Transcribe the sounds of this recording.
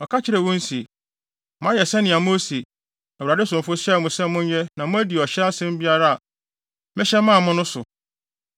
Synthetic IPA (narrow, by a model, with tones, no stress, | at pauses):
ɔ˨kʰa˦t͡ɕʰɪ˦ɾɛ˨wɔ̃˦n˦si˨ | mʊ̃˦ã˦jɛ˨sɛ̃˦nɪ̃˨a˨mõ˦si˨ | a˨ɾa˨dɪ˦sʊ̃˨m˨fʊ˦ɕɛ˦˨mʊ̃˨sɛ̃˦mʊ̃˦ɲ˦jɛ˦nã˨mʊ̃˦æ˦di˨ɔ˨ɕɛ˦a˦sɪ̃˦m̩˦bi˦a˦ɾa˦a˨ | mɪ̃˦ɕɛ˦mã˦˨mʊ̃˦nʊ̃˦sʊ˨